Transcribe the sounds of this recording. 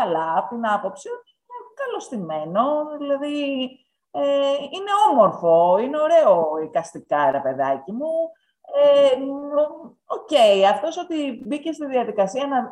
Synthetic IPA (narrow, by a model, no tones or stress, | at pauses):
ɐlɐɐpot̪inɐpo̞psiot̪iinekɐlo̞st̪ime̞no̞ðilɐði | eine̞o̞mo̞ɾfo̞ineo̞ɾe̞o̞ikɐst̪ikɐɾepe̞ðɐcimu | e | o̞ce̞jɐft̪o̞so̞t̪ibice̞st̪iðiɐðikɐsiɐnɐ